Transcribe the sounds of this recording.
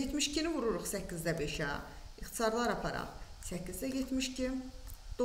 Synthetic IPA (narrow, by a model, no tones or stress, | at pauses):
et̪miʃcʰinivuɾuɾuχsæcːizd̪æbeʃæ̰iχt̪ʰi̥sɑɾlˠɑɾɑpʰɑɾɑ̰χsæcːizd̪æɟet̪ʰmiʃcʰimd̪̥o